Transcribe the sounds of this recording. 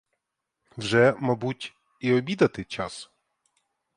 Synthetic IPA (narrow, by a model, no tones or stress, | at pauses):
wʒɛmabutʲ | iɔbʲid̪ɐt̪ɪt͡ʃɑs